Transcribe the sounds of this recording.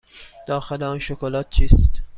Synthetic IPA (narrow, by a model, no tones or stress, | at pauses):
d̪̥ɒːxeleɒnʃokolɒːt̪̚t͡ʃʰiːst̪